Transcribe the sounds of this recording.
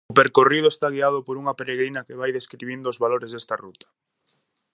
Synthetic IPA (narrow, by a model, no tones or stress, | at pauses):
ʊpeɾkoriðʊest̪aɣ̞iaðʊpoɾuŋɐpeɾeɣɾinɐkeβajðeskɾiβind̪ʊːzβaloɾezðest̪a̰rut̪ɐ̥